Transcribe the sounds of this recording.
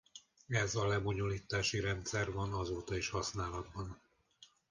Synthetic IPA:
ɛzɒlɛboɲoliːt̪aːʃiɾɛnt̪sɛrvɒnɒzoːt̪ɒiʃhɒsnaːlɒd̪bɒn

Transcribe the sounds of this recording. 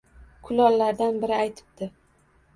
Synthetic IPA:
kʰʊlɒlːaɾd̪anbɪɾɪajt̪ʰɪ̥p̚d̪ɪ

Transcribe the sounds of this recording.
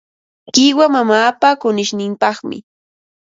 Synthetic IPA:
kɪwamamaːpakʊnɪʃnɪmpɑχmɪ̰

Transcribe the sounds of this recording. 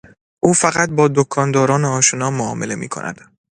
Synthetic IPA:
ʔuːfæɣæt̪̚bɒːd̪okʰɒːnd̪ɒːɾɒːneɒːʃonɒːmoɒːme̞le̞mḭːkʰo̰nʔæ̰d̪̥

